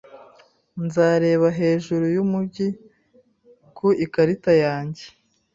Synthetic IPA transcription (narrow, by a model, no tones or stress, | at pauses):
nzaːɾe̞ːβaɦe̞ːʒuɾujumubɟi | kʰuikaɾitajaːɲɟe̥